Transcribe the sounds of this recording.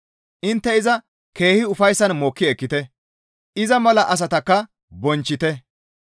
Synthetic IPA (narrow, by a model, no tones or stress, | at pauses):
ʔɪnt̪ːɛɪzɐ | ke̞ːhɪʊfɐjsːɐnmoːkːɪɛkːɪt̪ɛ | ʔɪzɐmɐlɐʔɐs̬ɐt̪ɐkːɐ | bɔnt͡ʃːɪt̪ɛ